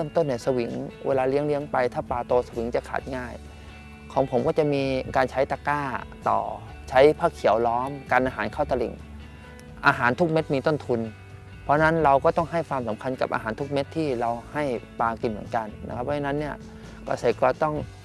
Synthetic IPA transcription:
ɾɤ˥˩˨mt̪o˥˩nːaː˧˩sa˧wi˨˩˦ŋwḛː˧laː˧li˦˥əŋli˦˥əŋpa˧jt̪ʰaː˥˩paː˧t̪oː˧sa˧wi˨˩˦ŋt͡ɕa˨˩kʰa̰ː˨˩t̪̚ŋaː˥˩j | kʰɔː˩˦ŋpʰo˩˦mkɔː˥˩t͡ɕa˨˩ʔmiː˧kaː˧nt͡ɕʰa˦˥jt̪aː˧kaː˥˩t̪ɔ̰ː˨˩ | t͡ɕʰa˦˥jpʰaː˥˩kʰːi˨˩˦əwlɔː˦˥mkaː˧nʔaː˧ɦaː˩˦nkʰa˥˩t̪a˧lḭ˨˩ŋ | ʔaː˧ɦaː˩˦nt̪ʰu˦˥k̚me˦˥t̪̚miː˧t̪o˥˩nt̪ʰu˧n | pʰɔ˦˥˧na˦˥nɾa˧wkɔː˥˩t̪ɔ˥˩ŋɦa˥˩jkʰwaː˧msa˨˩˦mkʰa˧nka˨˩p̚ʔa̰ː˧ɦaː˩˦nt̪ʰu˦˥k̚me˦˥t̪ʰːiː˥˩ɾa˧wha˥˩jpaː˧ki˨˩nmɯ˩˦ənka˧nːa̰˧˦˥kʰa˦˥p̚ʰːt͡ɕa˧na˦˥nːi˥˩ɐ | kɔ̰ː˥˧˩se˨˧˩kaː˧˩t̪ɔ˥˩ŋ

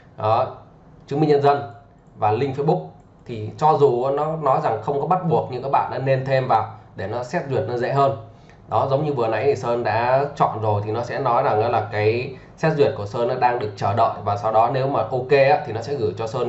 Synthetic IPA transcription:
ɗɔ˨˦ | t͡ɕɨ˨˦ŋŋ͡mmï˧ŋɲə˧nzə˧n | vaː˨˩lï˧ŋ̟fe˧t̚ɓʊ˦˥k̚ | t̪ʰi˨˩t͡ɕɔ˧zu˨˩ʔa˨˦nɔ˨˦nɔ˨˦jza˨˩ŋxə˧wŋ͡mkɔ˨˦ɓa˦˥t̚ɓu˨˩ək̚ɲɨ̰˧ŋkaː˦k̚ɓa̰ː˧˨nɗa̰ː˧˥ne˧nt̪ʰe˧mvaː˨˩wɗe˧˩nɔ˨˦sɛ˦˥t̚zwi˨˩ət̚nɔ˨˦zḛ˧˥ɦəː˧n | ɗɔ˨˦zə˨˦wŋ͡mɲɨ˧vɨ˨˩əna̰˧˥jt̪ʰi˨˩səː˧nɗa̰ː˧˥t͡ɕɔ̰˧˨nzo˨˩jt̪ʰi˨˩nɔ˨˦sɛ̰˧˥nɔ˨˦jzaː˨˩ŋḭ˧˥laː˨˩kaː˨˦j | sɛ˦˥t̚zwi˨˩ət̚ku˧˩əsəː˧nʔaɔ˨˦ɗaː˧ŋɗɨ˨˩ək̚t͡ɕəː˧˩ɗə̰ː˧˨jvaː˨˩sa˧wɗɔ˨˦ne˨˦wmaː˨˩ʔo˧ke˧ʔaː˨˦t̪i˨˩nɔ˨˦sɛ̰˧˥ɣɨ˧˩jt͡ɕɔ˧səː˧n

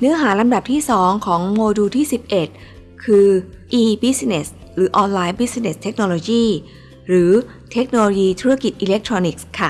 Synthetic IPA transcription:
nɯ˦˥ɐɦaː˩˦la˧mda˨˩p̚t̪ʰiː˥˩sɔː˩˦ŋkʰɔː˩˦ŋmoː˧duː˧t̪ʰiː˥˩si˨˩p̚ʔe˨˩t̪̚ | kʰɯː˧ʔiː˧bi˦˥sne˨˩s | ɾɯː˩˦ʔɔː˧nlaː˧jbi˦˥sne˨˩st̪ʰe˦˥k̚noː˧loː˧jiː˥˩ | ɾɯː˩˦ | t̪ʰe˦˥k̚noː˧loː˧jiː˧t̪ʰu˦˥ɾa˧˩ki˨˩t̪̚ʔiː˧le˦˥k̚t̪ʰɾoː˧ni˨˩k̚skʰa˥˩

